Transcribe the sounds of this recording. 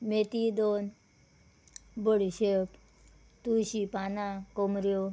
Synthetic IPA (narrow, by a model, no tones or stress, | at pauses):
met̪id̪on | bəɽiɕep | t̪uɕipanãkomɾjo